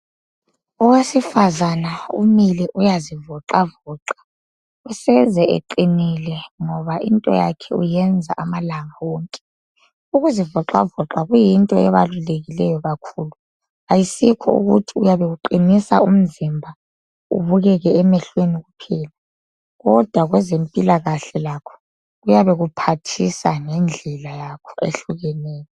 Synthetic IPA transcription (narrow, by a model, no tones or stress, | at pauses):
ɔwesifazanaṵmilɛʔujazivɔǁavɔːǁḁ | usɛzɛḛǃinilɛŋɔβaʔintʼɔ̰ja̰kʰɛujɛnd͡zʱa̰ʔamalaŋawɔːŋkʼɛ̥ | uɣuzivɔǁa̰vɔǁaɣujintʼɔɛβa̰luleɣilɛjɔɣakʰuːlu | ajisikʰɔ̰ṵɣṵtʰiujaβɛɣuǃinisa̰um̩zimbʱa | ṵβuɣɛɣɛɛmɛɬweniɣupʰɛːla | ɣɔd̥ʱwaɣwɛzempʼilaɣaɬɛlakʰɔ̥ | ɣujaβɛɣupʰatʰisaŋɛnd͡ɮʱɛlajakʰɔḛɬuɣɛneːjɔ